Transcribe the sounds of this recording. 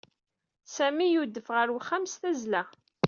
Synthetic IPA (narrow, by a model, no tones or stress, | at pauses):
sæmijud̪ːəfʁəɾwχːamsθæzlæ